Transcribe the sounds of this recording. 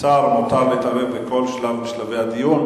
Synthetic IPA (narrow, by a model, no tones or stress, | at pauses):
aʁmot̪avet̪aʁevbeko̞lʃlavbiʃlavejad̪ijun